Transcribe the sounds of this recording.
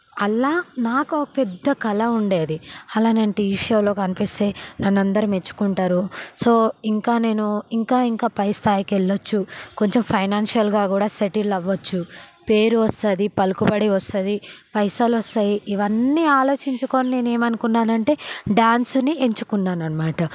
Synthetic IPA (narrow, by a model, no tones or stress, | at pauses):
ɐlːaːnaːkokɐpɛd̪ːɐkɐlɐuɳɖe̞ːd̪iɐlaːneːnɐʈiːʂoːlo̞ːkɐnipist̪e̞ːnɐnːɐnd̪ɐɾime̞t͡ʃːu̥kuɳʈaːɾuso̞ːiŋkaːne̞ːnuiŋkaːiŋkaːpɐjst̪ʰaːjikɛɭːɐt͡ʃːuko̞ɲt͡ʃempʰɐjnaːnʂɐlɡaːkuːɽaːseʈilːɐʋːɐt͡ʃːupe̞ːɾuʋɐst̪ad̪ipɐlukubɐɽiʋɐst̪ɐd̪ipɐjsaːlɔst̪aːjiʔiʋɐnːiaːlo̞ːt͡ʃiɲt͡ʃuko̞ːnine̞ːne̞ːmɐnukunːaːnɐɳʈe̞ːɖaːnsunieɲt͡ʃu̥kunːaːnɐnɐmaːʈɐ